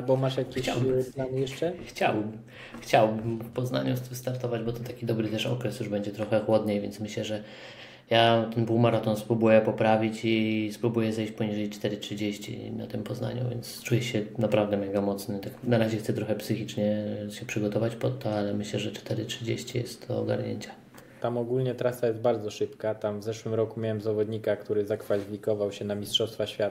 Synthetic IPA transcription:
bɔmaʂjakʲit͡ɕawplanjɛʂt͡ʂɛxt͡ɕa̰wm | xt͡ɕawbɘmfpɔznaɲut̪vst̪aɾt̪ɔvad͡ʑbɔt̪ɔt̪akʲid̪ɔbɾɘt̪ɛʂɔ̰kɾɛsjuʐbɛɲd͡ʑɛt̪ɾɔxɛxwɔd̪ɲejvʲjɛnt̪smɘɕlɛʐɛ | jat̪ɛnpuwmaɾat̪ɔnspɾubujɛpɔpɾavʲit͡ɕispɾubujɛzɛjɕt͡ɕʲpɔɲiʐɛjtt͡ʂt̪ɛɾɘtʂɘd͡ʑeɕt͡ɕḭna̰t̪ɘmpɔzna̰ɲṵvʲɛ̰nt̪st͡ʂujɛɕɛnapɾavd̪ɛmɛɡamɔt̪snɛt̪aknaɾaʑɛxsɛt̪ɾɔxɛpsɘxʲit͡ʂɲɛɕɛpʂɘɡɔt̪ɔvat͡ɕpɔt̪ʰːɔalɛmɘɕlɛʐɛt͡ʂt̪ɛɾɘtʂɘd͡ʑḛɕt͡ɕijɛ̰st̪ːɔːɡa̰ɾɲḛɲt͡ɕɛ̥ | t̪amɔɡulɲɛt̪ɾasajɛst̪̚baɾd̪zɔʂɘpkat̪amvzɛʂwɘmɾɔkumʲjawɛmzavɔd̪ɲikakt̪uɾɘzakfalʲifʲikɔvawɕɛnamʲistʂɔfst̪faɕfʲjat̪

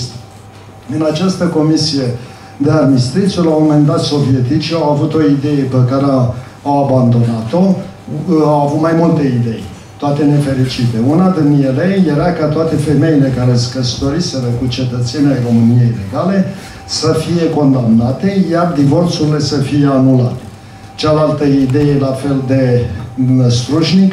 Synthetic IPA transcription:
ɨnat͡ʃast̪əko̞misije̞ | d̪ead̪mist̪ɾit̪sulamo̞me̞nd̪at̪so̞vije̞t̪it͡ʃiawavut̪o̞id̪e̞je̞pekaɾe | awaband̪o̞nat̪o̞ | awavut̪majmult̪eid̪e̞j | t̪oat̪e̞ne̞fe̞ɾit͡ʃit̪e̞unad̪injelejje̞ɾakat̪oat̪e̞fe̞me̞ile̞kaɾeskəst̪o̞ɾise̞ɾəkut͡ʃe̞t̪ət̪se̞niajro̞mɨnije̞jile̞ɡale̞ | səfije̞ko̞nd̪amnat̪e̞jard̪ivo̞rt̪suɾile̞səfije̞anulat̪e̥ | t͡ʃalalt̪əid̪e̞je̞lafe̞ld̪e̞ | əst̪ɾuʒnik

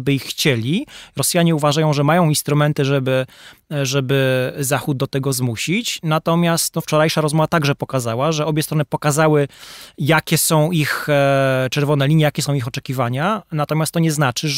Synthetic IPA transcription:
bɘixːt͡ɕelʲiɾɔsjaɲɛuvaʐajɔ̃w̃ʐɛmajɔ̃w̃inst̪ɾumɛnt̪ɘʐɛbɘ | ʐɛbɘzaxud̪̚d̪ɔt̪ɛɡɔzmuɕit͡ɕnat̪ɔmʲjast̪ɔft͡ʂɔɾajʂaɾɔzmɔvat̪aɡʐɛpɔkazawaʐɛɔbʲjɛst̪ɾɔnɘpɔkazawɘjakʲɛsɔ̃w̃ix | t͡ʂɛɾvɔnɛlʲiɲjɛjakʲɛsɔ̃w̃ixɔt͡ʂɛkʲivaɲanat̪ɔmʲjast̪ːɔɲɛznat͡ʂɘ

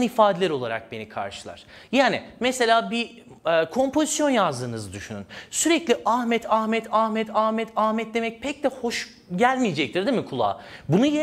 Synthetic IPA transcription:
nifaːd̪eɛɾo̞lˠaɾa̰k̚be̞nikʰa̰ɾʃɯlˠa̰ɾ̥ | jaːnimɛse̞lʲaːbi | kʰo̞mpʰo̞zisjo̞njazd̪ɯːnɯzɯd̪yʃyny̰nsyɾɛclʲiʔahmɛt̪ʰahmɛt̪ʰahmɛt̪ʰahmɛt̪ʰahmɛt̪̚d̪e̞mɛc̚pʰɛc̚d̪ɛho̞ʃ | ɟælʲmijed͡ʒɛc̚t̪ʰiɾd̪imikʰulˠa̰ː | bunuje

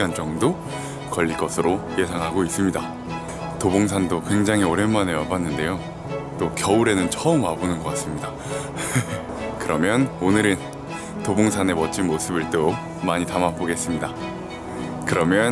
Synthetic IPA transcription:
ant͡ɕʌŋdo | kʌʎːiɭk͈ʌsʰɯɾoje̞sʰaŋɦaɡois͈ɯmɲida | toboŋs̬ʰandokwe̞ŋd͡ʑaŋɦioɾe̞nmane̞mʌpanːɯnde̞jo | t͈okjʌuɾe̞nɯnt͡ɕʰʌɯmabonɯnɡʌk͈as͈ɯmɲida | kɯɾʌmjʌnonɯɾɯn | toboŋsʰane̞mʌt͡ɕ͈inmosʰɯbiɭt͈o | maɲitamapoɡe̞s͈ɯmɲida | kɯɾʌmjʌn

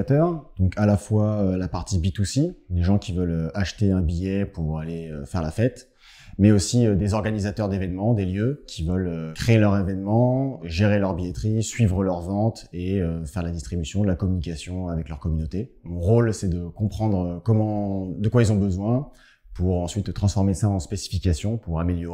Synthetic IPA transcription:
t̪œʁd̪̥ɔ̃kʰalafwaølapaʁt̪ibit̪usid̪eʒɑ̃kʲivœløaʃt̪eɛ̃bijɛpuʁaleøfɛʁlafɛt̪ | mɛosiød̪ezɔʁɡanizat̪œʁd̪evɛnmɑ̃d̪eljøkʲʰivœløkχeelœʁevɛnmɑ̃ʒeʁelœʁbijɛt̪χisɥivʁəlœʁvɑ̃t̪eøfɛʁd̪lad̪ist̪χibysjɔ̃d̪əlakɔmynikʲasjɔ̃avɛklœʁkɔmynot̪emɔ̃ʁolsɛd̪əkɔ̃pχɑ̃d̪ʁkɔmɑ̃d̪əkwailzɔ̃bəzwɛ̃ | puʁɑ̃sɥit̪t̪ːχɑ̃sfɔʁmesaɑ̃spesi̥fikʲasjɔ̃puʁameljɔʁ

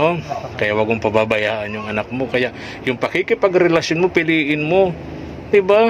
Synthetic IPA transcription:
ʔokɐjaʔwaɡoŋpɐbabɐjaːʔɐnjʊŋɐnak̚mo̞kɐjaʔ | jʊŋpɐkɪkɪpaɡɾɛlasjʊnmopɪliːʔɪnmo | d̪ɪba

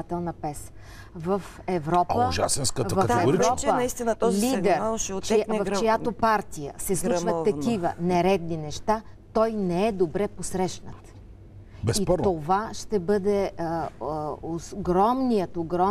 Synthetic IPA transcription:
t̪ɛlˠnəpɛs | vɐf | ɛvɾɔpəʒa̰sɛnskət̪vɐt̪ɛvɾiɾɔpənist̪inət̪ɔlid̪ɛɾt͡ʃvɐft͡ʃojat̪opaɾt̪ijə̰sɛslut͡ʃvət̪ːɐk̪ivənɛɾɛd̪ninɛʃt̪a | t̪ɔjnɛɛd̪obɾɛposɾɛʃnət̪ | bɛipɔt̪ovaʃt̪ɛbɤd̪ɛ | oɡɾɔmnijət̪oɡɾɔ

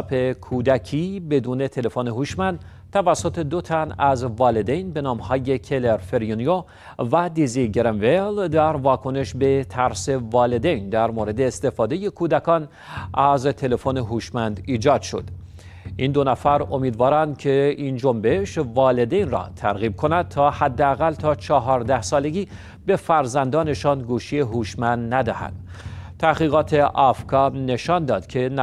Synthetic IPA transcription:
pʰe̞kʰuːd̪ækʰiːbe̞d̪uːne̞t̪ʰe̞le̞foneɦuːʃmænd̪ | t̪ʰævæsːo̞t̪ʰe̞d̪ot̪ʰænæzvɒːle̞d̪ejnbe̞nɒːmhɒːje̞cʰeleɾfe̞ɾjunijo | væd̪iziɟeɾemveld̪æɾvɒːkʰo̞ne̞ʃbe̞t̪ʰæɾse̞vɒːle̞d̪e̞jnd̪æɾmoːɾe̞d̪e̞ːst̪e̞fɒːd̪e̞je̞kʰuːd̪ækʰɒːn | ʔæzt̪ʰe̞le̞foneɦuːʃmænd̪iːd͡ʒɒːd̪̥ʃo̞̰d̪̥ | ʔind̪onæfæɾo̞miːd̪vɒːɾænd̪̚cʰe̞ind͡ʒo̞mbeʃvɒːle̞d̪e̞jnrɒ̰ːt̪ʰæɾɣiːb̚kʰo̞næd̪̥̚t̪ʰɒːhæd̪ːeæɣælt̪ʰɒːt͡ʃʰɒɦɒːɾd̪æhsɒːle̞ɡʲiː | be̞fæɾzænd̪ɒːne̞ʃɒːnɡuːʃie̞ɦuːʃmænd̪næd̪æhæ̰nd̪̥ | t̪ʰæhɣiːɣɒːt̪ʰe̞ʔɒfkʰɒːne̞ʃɒnd̪ɒːd̪̥cʰe̞n

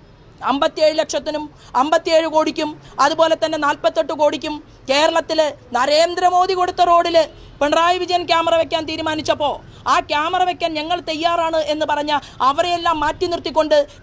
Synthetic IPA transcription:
ɐmbɐt̪ːijeːɻɨle̞kʂɐt̪ːinum | ɐmbɐt̪ːijeːɻɨko̞ːɽikʲːumɐðupo̞ːle̞t̪ːɐnːe̞naːlpɐt̪ːo̞ʈːɨko̞ːɽikʲːum | ke̞ːɾɐɭɐt̪ːilnɐɾe̞ːnd̪ɾɐmo̞ːðiko̞ɽut̪ːɐro̞ːɽil | peɳraːjɐʋid͡ʑɐjɐmkjaːmɐrɐʋe̞kʲːaːnt̪iːɾumaːnit͡ɕːɐpːo̞ː | aːkʲjaːmɐrɐʋe̞kʲːaːnɲɐŋːɐɭt̪e̞jːaːraːɳɨʔe̞nːɨpɐrɐɲːa | ɐʋɐrejelːaːmːaːtːinirt̪ːikʲːo̞ɳɖɨ

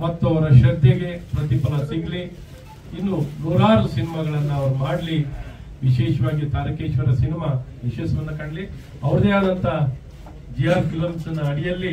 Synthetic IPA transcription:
mɐt̪ːuɐʋɐɾɐʃɐd̪ʱjɐɡe̞pɾɐt̪ipɐlɐsiɡli | inːunuːɾaːɾusinimɐɡɐɭɐnːɐɐʋɐɾumaːɽli | ʋiʃɛːʃɐʋaːɡit̪aːɾɐkeːt͡ʃɐʋɐɾɐsinimaʋiʃeːsɐʋɐnːɐkɐɳɖli | ɐʋɐɾd̪eaːd̪ɐnt̪ʰɐ | d͡ʒijaːɾkiloːmisɐnːɐɐɽijɐlːi

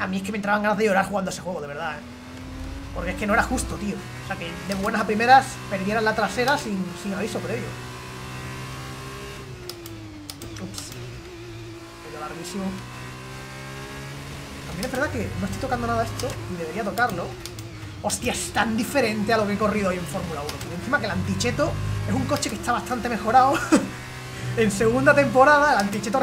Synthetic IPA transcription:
amĩeskement̪ɾaβaŋɡanaðeʝo̞ɾaɾxuɣanoe̞se̞xwe̞ɣoðeβe̞ɾðae | poɾkeeke̞noeɾaxust̪ot̪io | oseake̞d̪e̞βwenasapɾime̞ɾas | pe̞ɾðjeɾalat̪ɾase̞ɾasiŋsiŋaβ̞iso̞pɾe̞βjo̰ | ups | keʎalaɾɣisimo | t̪ambjene̞βe̞ɾðake̞no̞est̪it̪o̞kand̪o̞naðae̞st̪o̞iðee̞ɾiat̪o̞kaɾlo̞ | o̞st̪jaest̪and̪ife̞ɾe̞nt̪ealo̞keeko̞riðooje̞ɱfo̞ɾmulaunokonen̟θimake̞lant̪it͡ʃe̞t̪o̞e̞suŋko̞t͡ʃe̞ke̞ht̪aβast̪ant̪e̞me̞xo̞ɾao | e̞nse̞ɣ̞und̪at̪e̞mpo̞ɾaðaelant̪it͡ʃe̞t̪o

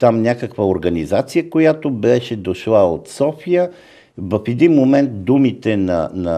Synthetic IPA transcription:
t̪amnʲakəkvəoɾɡənizat̪sijəkojat̪obɛʃɛd̪oʃlˠaot̪sɔfijə | vɐfɛd̪inmomɛnt̪̚d̪umit̪ɛnɐ̰nɐ

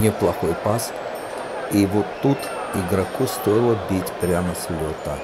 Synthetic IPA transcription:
nʲɪplˠɐxojpas | ivot̪ːut̪ | ɪɡɾɐkust̪ojɪlˠəbʲitʲpɾʲanəslʲot̪ə

